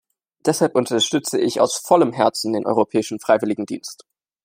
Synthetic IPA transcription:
d̥ɛshalpʔʊntʰɐʃtʏt͡səʔɪça̰ʊsfɔləmɦɛɐt͡sn̩deːnʔɔ̰ʏʁopʰɛːɪʃn̩fʁ̥aɪvɪlɪɡŋ̩dḭːnst

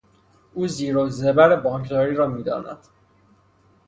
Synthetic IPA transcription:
ʔuːziːɾoːzebæɾebɒːkʰd̪ɒːɾiːɾɒːmiːd̪ɒ̰ːnæ̰d̪̥

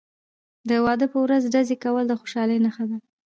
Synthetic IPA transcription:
d̪əwɑd̪əpəwɾazɖazekawəld̪əxoʃɑləjnaxad̪a

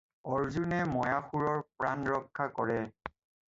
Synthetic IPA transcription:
ɔɹzunɛmɔjaxuɹɔɹpɹanɹɔkʰːakɔɹɛ

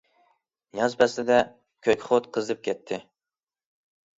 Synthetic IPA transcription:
jɑzpʰɛslɪd̪ɛ | kʲʰøkʲχot̪qʰəzɨp̚kʲʰɛt̪ʰːɪ

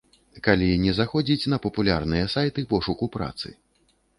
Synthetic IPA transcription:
kalʲinʲɛzaxɔd͡zʲit͡sʲnɐpɐpulʲa̰rnɨjɐsajt̪ɨpɔʂukupɾa̰t̪sɨ̰

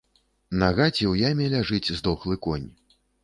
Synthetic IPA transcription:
naɣat͡sʲɛwjamʲɛlʲaʐɨt͡sʲzd̪ɔxlˠɨkɔnʲ

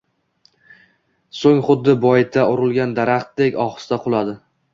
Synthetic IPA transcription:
soŋχʊd̪ːɪbɒjɪt̪ʰaʔʊɾʊlˠɡʲand̪aɾaχt̪̚d̪ekʲɒχɨ̥sd̪aqʰʊlˠad̪ɪ

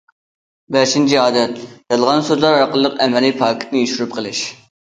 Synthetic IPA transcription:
bæʃint͡ʃʰiɑːd̪ɛt̪jɑlˠʁɑnsøzlˠɑɾɑqəlˠːəqɛmɛlipʰɑːkʲʰi̥t̪ʰnɨyʃuɾyp̚qʰəlˠɪʃ

